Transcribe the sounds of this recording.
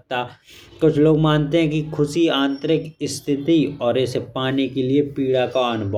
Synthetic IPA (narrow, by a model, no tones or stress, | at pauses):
t̪a | kʊt͡ʃʰloːɡmãːnt̪eɦɛ̃kikʰʊsiãːnt̪ɾɪkɪst̪ʰɪt̪iɔːɾɛsepaːnekeliepiːɽakaɐnʊbʱɔ